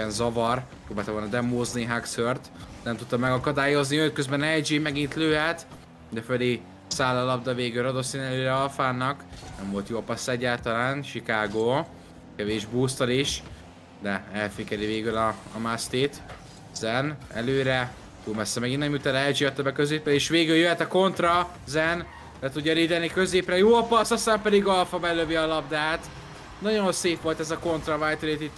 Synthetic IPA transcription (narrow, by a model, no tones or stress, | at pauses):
ɛnzɒvɒrpɾoːbaːlt̪ɒʋolnɒd̪ɛmːoːzneɦaksørt̪nɛmt̪ut̪ːɒmːɛɡɒkɒd̪aːjo̞zniøøkkːøzbɛnɛjd͡ʒimɛɡint̪løːɦɛt̪ | d̪ɛføli | saːlɒlɒbd̪ɒveːɡylɾɒd̪osinɛløːɾɛɒlfaːnːɒknɛɱvo̞lt̪joːɒpɒsːɛɟːaːlt̪ɒlaːnʃikaːɡoː | kɛveːʒbuːst̪ɒliʃ | d̪ɛɛlfikɛɾiveːɡylɒːmast̪eːt̪ | zɛnɛ̰løːɾɛ | t̪uːlmɛsːɛmɛɡinːɛmjyt̪ɛlɛd͡ʒiɒt̪ːøbɛkøzeːprɛeːʃʋeːɡyljøɦɛt̪ɒko̞nt̪rɒ | zɛn | lɛt̪uɟːɒɾiːd̪ɛlnikø̞zeːprɛjoːɒpɒsɒst̪aːmpɛd̪iɡɒlfɒbɛløviɒlɒbd̪aːt̪ | nɒɟo̞nseːpʋo̞lt̪ɛzɒko̞nt̪rɒvaːjt̪oet̪it̪ː